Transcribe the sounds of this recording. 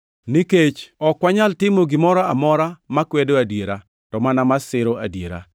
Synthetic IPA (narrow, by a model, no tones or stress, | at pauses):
niket͡ʃɔkːwaɲaltɪmoɡɪmɔɾaamɔɾamakwɛdoadjeɾa | tɔmanamasɪɾoadjeɾa̰